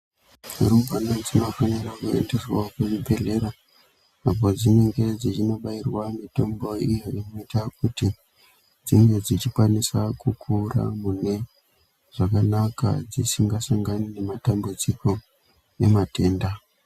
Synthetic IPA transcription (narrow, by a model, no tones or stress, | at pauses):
urumbanod͡zimafaneɾakuḛnde̞swa̰kuʐibʱe̞ɮe̞ɾa | ap̬o̞d͡zine̞ŋɡe̞d͡zit͡ʃino̞ɓairwamito̞mbo̞ijoʔinoitakuti | d͡zimwe̞d͡zit͡ʃikwanisakukʰura̰mune̞ | ʐ̥akanaka̰d͡zisiŋɡasaŋɡanine̞matambud͡ziko̞ | e̞mate̞ːnda